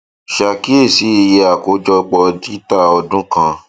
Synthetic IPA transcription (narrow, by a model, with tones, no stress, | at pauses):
ʃa˧ki˦e˦˨si˨˦i˧je˧a˨ko˨˦d͡ʒɔ˧k͡pɔ˧di˦ta˦˨ɔ˧dũ˦kã˧